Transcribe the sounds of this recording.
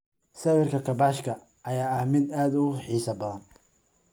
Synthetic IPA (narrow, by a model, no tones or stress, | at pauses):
sɐwɪrkʰɐkʰɐbaːʃkʰɐ | ʔːjaːɐhmɪd̪aːd̪ʊħiːsɐbɐðɐn